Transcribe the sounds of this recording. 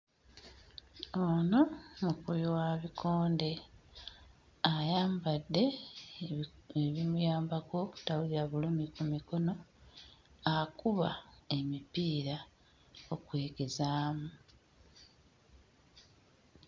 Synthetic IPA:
ono̞mukuβiwaβikʰoːnde̞ | ajaːmbadːe̞ | eβimujaːmbaɡwo̞ːku̥tawuliɾaβulumikumiko̞no̞ | akuβa̰e̞mipiːɾa | okwe̞ːɡe̞zaːmu

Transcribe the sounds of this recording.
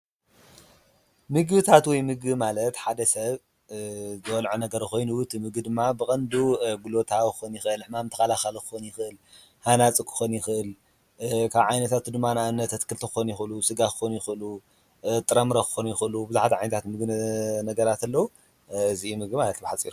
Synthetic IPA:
mɨɡβɨt̪ʰat̪wɔjmɨɡɨmalɐt̪ħad̪ɐsɐβ | zɨwɐlʕunɐɡɐɾɐxo̞jnut̪ʰːimɨɡɨd̪ɨmːabɨkʼɐnd̪uɡulo̞t̪ʰawkɨ̥xonjɪxʔɨlɨħmamɨnt̪ʰɐ̥xɐlaxalkɨ̥xonjɪxʔɨl | hanat͡sʼɨkʰɨ̥xonjɪxʔɨl | kʰaβʕajnɐt̪ʰat̪ʰud̪ɨmːanaʔɨnːɐt̪ʰːɐt̪kʰɨlt̪ʰɨxɨxonjɪxlusɨɡakɨ̥xonjɪxʔɨlu | t̪ʼɨɾɐmɾakɨ̥xonjɪxʔɨlubɨzuħat̪ʰiʕajnɐt̪ʰat̪mɨɡɨnɐɡɐɾat̪ɐlːɐwu | ɨziumɨɡɨmalɐt̪bɨħat͡sʼːḭɾu

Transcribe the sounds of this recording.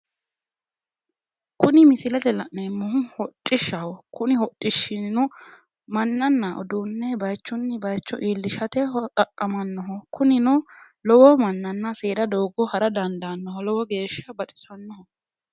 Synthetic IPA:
kʊnɪmɪsɪlɐt̪ɛlɐʔnɛmːɔhʊhɔt͡ʃʼːɪʃːɐhɔkʊnɪɦɔt͡ʃʼːɪʃːɪnnɔ | mɐnːɐnːɐʔɔ̰d̪uːnːɛbɐjt͡ʃːʊnːɪbɐjt͡ʃːɔ̰ʔiːlːɪʃɐt̪ɛɦɔt̪ʼɐkʼːɐmɐnːɔɦɔkʊnɪnɔ | lɔwɔmɐnːɐnːɐseːd̪ɐd̪oːɡɔhɐɾɐd̪ɐnd̪ɐnːɔɦɔlɔwɔɡe̞ːʃːɐbɐt̪ʼɪ̥sɐnːɔhɔ

